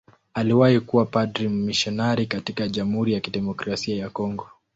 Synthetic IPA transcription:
aliwahikuwapadɾimmːiʃɔnaɾikatikaʄam̩huɾijakiɗɛmɔkɾasiajakɔŋɡɔ

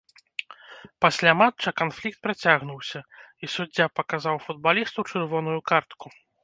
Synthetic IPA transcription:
pasʲlʲamat͡ʂɐkanflʲik̚t̪̚pɾat͡sʲaɣnuwsʲɐisudd͡zʲːapɐkazawfud̪̚balʲist̪uwt͡ʂɨrvɔn̪ujukart̪ku

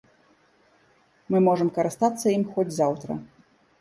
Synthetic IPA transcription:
mɨmɔʐɐmkɐɾɨst̪at̪sːɐjimxɔd͡zʲzawt̪ɾɐ̰

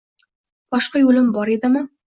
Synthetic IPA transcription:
b̥ɒʃqɑjulɪmbɒɾed̪ɪmɪ

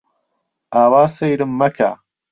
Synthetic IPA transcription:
aːwaːsɐjɾɨmːɐkʰa̰ː

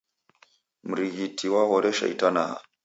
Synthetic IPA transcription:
m̩ɾiɣitʰiwaɣɔɾɛʃa̰ḭtanaha̰

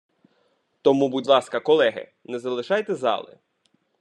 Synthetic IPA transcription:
t̪ɔmubudʲlˠɑskɐkɔlˠɛɦɪ̰nɛzɐlˠɪʃɑjt̪ɛzɑ̰lˠɪ̰

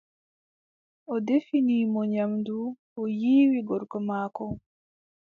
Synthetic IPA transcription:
ɔdefinimɔɲamdu | ojiːwiɡɔɾkɔmakɔ

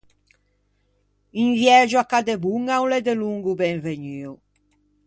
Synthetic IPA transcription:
iɱvjɛd͡ʒuakad̪ebuŋawlɛd̪eluŋɡubɛŋveɲyw

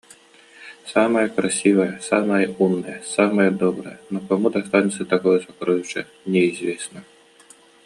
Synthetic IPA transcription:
saməjəkɾasʲivəjəsaməjəunːəjəsaməjəd̪ɔbɾə̰jənɔkɐmud̪ɐst̪anʲɪt̪sət̪akɔjəsɐkɾɔjʊʂɛ̰ | nʲɛizʲvʲesnə

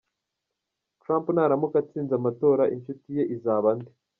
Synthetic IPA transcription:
tɾaːmpnaːɾamukat͡siːnzamato̞ːɾaʔint͡ʃutije̞ʔizaːβandi

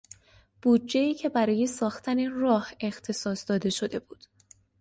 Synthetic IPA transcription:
b̥uːd̚d͡ʒːe̞iːcʰe̞bæɾɒːjesɒːxt̪ʰænerɒːhe̞xt̪ʰe̞sɒːsd̪ɒːd̪e̞ʃo̞d̪e̞buːd̪̥

